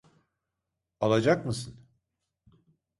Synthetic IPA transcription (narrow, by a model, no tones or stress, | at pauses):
alˠad͡ʒakmɯsɯn